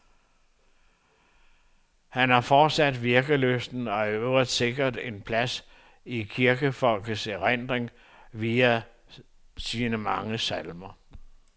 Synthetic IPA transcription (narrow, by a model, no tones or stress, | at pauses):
hænhɑ̈fɒːd̥sæd̥ʋiɐɡ̥əløsn̩ɒ̽æɐøʊɐd̥se̝ɡ̥ɐd̥e̝npʰlæs | ikʰiɐɡ̥əfɒ̽lɡ̥əseʁen̰d̥ʁeŋ | ʋiːæ | siːnəmɑ̈ŋəsælmɐ